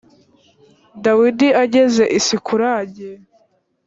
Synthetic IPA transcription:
dawidiaɟeze̞ʔisikuɾaːɟe

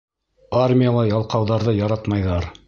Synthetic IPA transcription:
armʲɪjəlˠɑjɑlˠqɑwðɑɾðɤjɑɾɑt̪mɑjðɑɾ

